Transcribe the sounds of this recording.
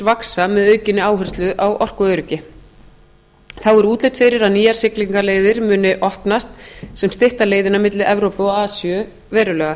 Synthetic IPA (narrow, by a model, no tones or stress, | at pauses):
vaksamɛðœːɥcɪnːɪaːwɦœr̥st̪lʏʔawʔɔr̥kʏœɾʏcɪ | θawɛɾuːt̪lejt̪fɪɾɪɾaðniːjaɾ̥sɪkliŋkaleːjðɪɾmʏːnɪʔɔhpnast̪sɛmst̪ɪht̪aleːjðɪnamɪt̪lɪʔɛvɾowpʏɔaːsjʏ | vɛːɾʏlœːɣa